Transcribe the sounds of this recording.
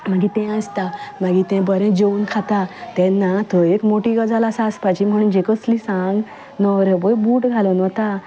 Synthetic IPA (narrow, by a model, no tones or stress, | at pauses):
maɡit̪ɛ̃əst̪amaɡit̪ɛ̃bəɾɛ̃d͡ʑeuːnkʰat̪at̪ɛ̃nːat̪ɔekmoʈiɡəd͡zalaːsaspat͡ɕim̤əɽ̃ũːnd͡ʑekət͡slisãŋɡ | nɔɾebojbuːʈɡʱalənɔt̪a